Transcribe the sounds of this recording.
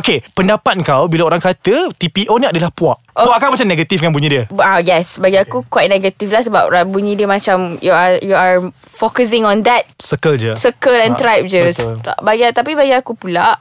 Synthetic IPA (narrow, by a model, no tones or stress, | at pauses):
okepəndapat̪̚ŋkawbilaoɾaŋkat̪ət̪ipiʔonĩadəlahpuaʔuaʔkawmat͡ʃamnɛɡət̪ifkanbuɲĩdiəajɛsbaɡiakukwajt̚nɛɡət̪iflahsəba̰p̚ɹabuɲĩdiəmat͡ʃamjuajuaɹfokəs̬ɪ̃ŋɔ̃nd̪ɛt̚səkəld͡ʒəsəkəlɛ̃nt̪ɾajp̚d͡ʒəsbaɡiat̪apibaɡiakupulaʔ